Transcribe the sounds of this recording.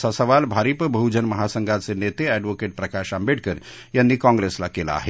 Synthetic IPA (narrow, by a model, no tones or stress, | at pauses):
sasəʋalbʱaɾipəbʱəud͡ʒənməɦasəŋɡasenet̪eɛɖʋokeʈ̚pɾəkaʃambeʈ̚kəɾ | jənːikɔ̃ŋɡɾeslakela̰ːɦe